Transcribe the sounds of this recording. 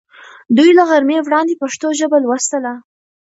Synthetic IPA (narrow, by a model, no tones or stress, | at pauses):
d̪ujlaɣaɾmewɽɑnd̪epaʂt̪oʒəbalwast̪əla